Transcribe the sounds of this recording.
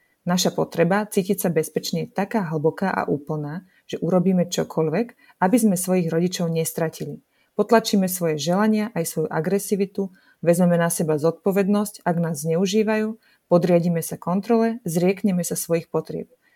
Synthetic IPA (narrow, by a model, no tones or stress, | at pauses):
naʃapɔt̪ɾɛbat͡siːcicsabɛspɛt͡ʃɲɛt̪akaːɦl̩bɔkaːʔa̰ʔuːpl̩naː | ʒ̥ɛʔuɾɔbiːmɛt͡ʃɔkʰɔlʋɛk | abizmɛsʋɔjiɣɾɔɟit͡ʃɔʊɲɛst̪ɾacili | pɔt̪lat͡ʃiːmɛsʋɔjɛʒɛlaɲɪaʔajsʋɔjuʔaɡɾɛsiːʋit̪u | ʋɛzmɛmɛnasɛbazɔt̪̚pɔʋɛd̪nɔscaɡnaːzːɲɛuʒiːʋajuː | pɔd̪ɾɪaɟiːmɛsakɔnt̪ɾɔlɛzɾɪɛkɲɛmɛsasʋɔjixpɔt̪ɾɪɛ̰p̚